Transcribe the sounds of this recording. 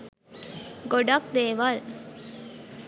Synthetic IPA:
ɡoɖak̚d̪eːʋal

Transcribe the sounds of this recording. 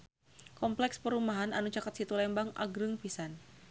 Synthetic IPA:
kɔmplɛkspəɾumaɦananut͡ʃakat̪̚sit̪ulɛmbaŋʔa̰ɡɾɨŋpisan

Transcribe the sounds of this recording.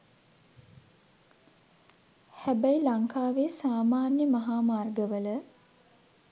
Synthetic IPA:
hæbæilaŋkʰaːʋeːsaːmaːrnjəmɐɦaːmaːrɡəʋələ

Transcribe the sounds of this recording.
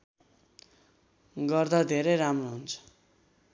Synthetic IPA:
ɡʌrd̪ad̪ʱeɾeɾamroɦunt͡sʰʌ̥

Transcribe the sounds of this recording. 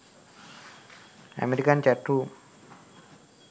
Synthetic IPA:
a̰meɾikant͡ʃaʈːu

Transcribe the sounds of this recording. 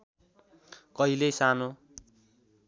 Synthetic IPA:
kʌilejsano

